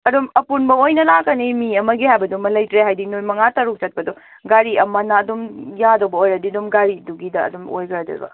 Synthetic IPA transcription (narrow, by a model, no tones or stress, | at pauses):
ɐdumɐpunbɐojnɐlakɐnimiɐmɐɡihajbɐdumɐlɐjtɾeɦajdinojmɐŋatɐɾuk̚t͡ʃɐt̚pɐdu | ɡaɾiɐmɐnɐːdumjadobɐojɾɐdidumɡaɾiduɡidɐ̰ːdumo̰jɡɐɾɐdɐ̰ɾ̰bɐ̰